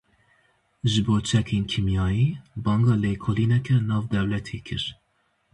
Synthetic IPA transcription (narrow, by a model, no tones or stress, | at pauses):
ʒɨboːt͡ʃʰɛkʰeːnkʰimjɑːjiːbɑːŋɡɑːleːkʰoːliːnɛkʰɛnɑːvd̪ɛwlɛt̪ʰeːkʰɨ̰ɾ